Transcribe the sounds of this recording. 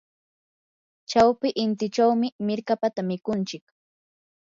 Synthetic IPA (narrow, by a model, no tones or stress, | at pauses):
t͡ʃawpɪʔɪnt̪ɪt͡ʃawmɪmɪɾkapat̪amɪkʊnt͡ʃɪk